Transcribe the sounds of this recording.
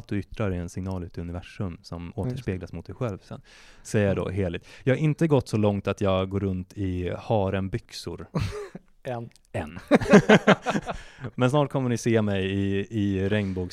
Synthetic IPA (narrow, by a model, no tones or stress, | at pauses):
lt̪̚d̪ɵʏt̪ɾaɾɛɛnsɪŋnɑːlʉt̪ʰɵnɪvæʂɵmsɔmoːtt̪əʂpeːɡlasmʊt̪̚d̪ɛjɧɛlvsɛ̰n | sɛjːəɖo̰ːɦeːɭɪt̪jɑːhaɾɪnt̪əɡɔt̪ːsɔlɔŋt̪at̪jɑːɡɡoːɾɵnt̪ʰɪhɑːɾənbʏksʊ̰ɾ | ɛnː | mɛnsnɑːʈ̚kʰɔmːənɪseːmɛjɪɪɾɛŋnbuːk